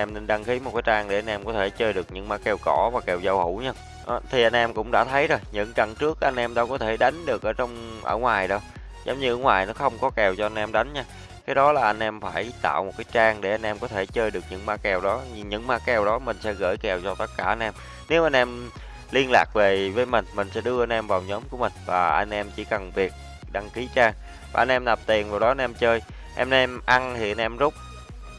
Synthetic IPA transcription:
ʔɛ˧mne˧nɗa˧ŋxi˨˦mo˨˩t̚kaː˨˦jt͡ɕaː˧ŋɗe˧˩ʔa˧nʔɛ˧mkɔ˨˦t̪ʰe˧˩t͡ɕəː˧jɗɨ˨˩ək̚ɲɨ̰˧˥ŋmaː˨˦˥kɛ˧˩wkɔ˧˩vaː˨˩kɛ˨˩wzə˧whṵ˧˩ɲaː˧ | ʔt̪ʰi˨˩ʔa˧jnʔɛ˧mkʊ̰˧˥ŋ͡mɗa̰ː˧˥t̪ʰə˨˦jzo˨˩jɲɨ̰˧˥ŋka˨˩ŋt͡ɕɨ˦˥ək̚ʔa˧jn̟ʔɛ˧mɗa̰ː˧˥kɔ˨˦t̪ʰe˧˩ɗa˨˦jŋ̟ɗɨ˨˩ək̚ʔəː˧˩t͡ɕɔ˧wŋ͡mʔə̰ː˧˩ŋwaː˨˩jɗɔ˨˦ | zə˨˦ŋ͡mɲɨ˧ʔəː˧˩˦ŋwaː˨˩jnɔ˨˦xə˧wŋ͡mkɔ˨˦kɛ˨˩wt͡ɕɔ˧ʔa˧nʔɛ˧mɗa˨˦jŋ̟ɲaː˧ | kaː˨˦jɗɔ˨˦laː˨˩ʔa˧jn̟ʔɛ˧mfaː˧˩jt̪a̰ː˧˨wmo˨˩t̚kaː˨˦jt͡ɕaː˧ŋɗe˧˩ʔa˧jn̟ʔɛ˧mkɔ˨˦t̪ʰe˧˩t͡ɕəː˧jɗɨ˨˩ək̚ɲɨ̰˧˥ŋmaː˨˦˥kɛ˨˩wɗɔ˨˦ɲɨ˧ŋɲɨ̰˧˥ŋmaː˨˦˥kɛ˨˩wɗɔ˨˦mï˨˩ŋ̟sɛ̰˧˥ɣə̰ː˧˩jkɛ˨˩wt͡ɕɔ˧t̪ə˦˥t̚kaː˧˩ʔa˧jnʔɛ˧m | ne˨˦wʔa˧jn̟ʔɛ˧m | li˧ənlaː˨˩k̚ve˨˩vəː˨˦jmï˨˩ŋ̟mï˨˩ŋ̟sɛ̰˧˥ɗɨ˧əʔa˧nʔɛ˧mvaː˨˩wɲɔ˨˦mku˧˩əmï˨˩ŋ̟vaː˨˩ʔa̰˧jŋ̟ʔɛ˧mt͡ɕi˧˩kə˨˩ŋvi˨˩ək̚ | ɗa˧ŋki˨˦t͡ɕaː˧ŋ | vaː˨˩ʔa˧jnʔɛ˧mna˨˩p̚t̪i˨˩ənvaː˨˩wɗɔ˨˦ʔa˧nʔɛ˧mt͡ɕəː˧j | ʔɛ˧mɛ˧mʔa˧ŋt̪ʰi˨˩ʔa˧n̟ʔɛ˧mzʊ˦˥k͡p̚

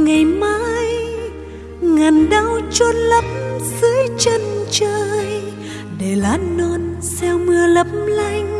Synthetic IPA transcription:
ŋa˨˩jmaː˧˨j | ŋa˨˩nɗa˧wt͡ɕɔ˧lə˨˦p̚mzɨ˨˦jt͡ɕə˧nt͡ɕəː˧j | ɗe˧˩laː˨˦no˧n | sɛ˧wmɨ˧ələ˨˦˥p̚mla˧jŋ̟

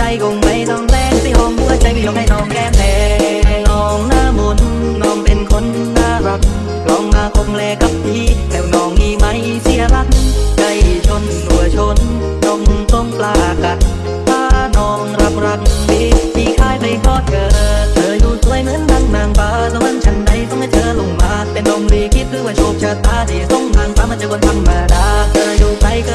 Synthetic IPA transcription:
t͡ɕa˧jko˧ŋpa˧˩jnɔː˧ŋlɛː˧˩ŋsaː˧˩ʔɔː˧˩ŋhu˧˥ət͡ɕa˧ja˧˩na˧˩jnɔː˧˩ŋkɛː˧˩mɛː˨˧˩nɔː˧˩ŋnaː˧˩mo˧˩nː | ɔː˧˩ŋpe˧nkʰo˧˥nːaː˧˥˩ɾa˧˥k̚ | lɔː˨˥ŋmaː˧kʰo˧mlɛː˧ka˨˧˦p̚t̪ʰiː˧˥˩lɛː˨˧˩wnɔː˨˧˩ŋʔiː˧˩ma˧˥˩j | si˧˥˦əla˧˥kka˧˩jt͡ɕʰo˧nːu˨˩ət͡ɕʰo˧˥n | lo˧ŋt̪o˧˩ŋplaː˧˩ka˧˩n | t̪ʰaː˧˥˩nɔː˧˩ŋɾa˧˥p̚ɾa˧ŋmiː˧˥t̪ʰiː˧˥kʰaː˧˥˩jpa˧jkɔː˧˩t̪̚kaː˧t͡ɕɤː˨˦˩juː˧˩t̪u˧˥ə˨jmɯ˧˥˨nla˧˥˩ŋnaː˧˩ŋpaː˧sa˧˥ma˧˥˨nt͡ɕʰa˧˥nda˧˩jt̪ɔ˧˥˩ŋka˧˩t͡ɕɤː˧lo˧˩ŋmaː˧˩k̚pe˧nʔo˧mliː˧kʰi˦˥t̪̚ɾɯː˧˥˩waː˧˩t͡ɕʰo˧˩p̚t͡ɕʰaː˧˩t̪aː˧˩ni˨˩a˧˩t̪ɔ˧˥˩ŋnaː˧ŋp̪aː˧˩ma˧˥nt͡ɕa˧ko˧nt̪ʰa˧˥mmaː˧˩daː˧˩k̚t͡ɕa˧juː˧˩pa˧jka˧

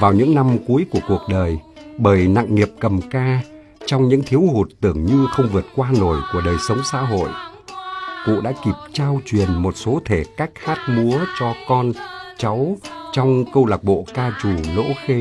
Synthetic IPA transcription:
vaː˨˩wɲɨ̰˧˥ŋna˧mku˨˦əjku˧˩əku˨˩ək̚ɗəː˨˩jɓəː˧˩jna̰˧˨ŋŋi˨˩əp̚kə˨˩mkaː˧ | t͡ɕɔ˧wŋ͡mɲɨ̰˧˥ŋt̪ʰi˨˦əwhu˨˩t̚t̪ɨ˧˩əŋɲɨ˧xə˧wŋ͡mvɨ˨˩ət̚kwaː˧no˨˧˩jku˧˩əɗəː˨˩jsə˨˦wŋ͡msa̰ː˧˥ɦo̰˧˨jʔ | kṵ˧˨ɗa̰ː˧˥ki˨˩p̚t͡ɕaː˧wt͡ɕwi˨˩ənmo˨˩t̚so˨˦t̪ʰe˧˩kaː˦˥jk̚haː˦˥t̚mu˨˦ət͡ɕɔ˧kɔ˧nt͡ɕa˨˦wt͡ɕɔ˧wŋ͡mkə˧wlaː˨˩k̚ɓo̰˧˨kaː˧t͡ɕu˧˨˩lo̰˧˥xe˧

